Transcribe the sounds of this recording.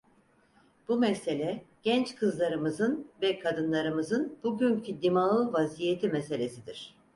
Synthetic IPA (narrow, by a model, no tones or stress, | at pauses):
b̥umɛse̞lʲɛɟ̥ɛnt͡ʃkʰɯzlˠaɾɯmɯzɯnvɛkʰad̪ɯnlˠaɾɯmɯzɯnb̥uɟyncʰyd̪imalˠɯvazijet̪ʰimɛse̞lʲesid̪iɾ̥